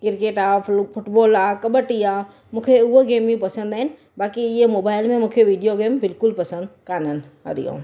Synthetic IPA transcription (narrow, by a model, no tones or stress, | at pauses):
kɪɾkeːʈaːfʰʊʈboːlaːkɐɓəʈiaː | mũːkʰeʊɦoɡeːmĩpɐsə̃nd̪aːɦɪnɪ̆ | baːkiɪɦemoːbaːɪlmẽmũːkʰeʋiːɖijoɡeːmbɪlkʊlpɐsə̃nd̪kaːnən | ə̰ɾḭjõ̰ː